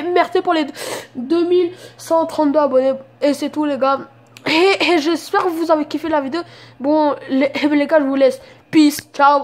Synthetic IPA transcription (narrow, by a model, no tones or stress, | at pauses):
mɛʁsepuʁled̪əmilsɑ̃t̪χɑ̃t̪d̪øabɔneeset̪uleɡa | eeʒɛspɛʁkəvuzavekifelavid̪eobɔ̃leleɡaʒəvulɛs | pist͡ʃaw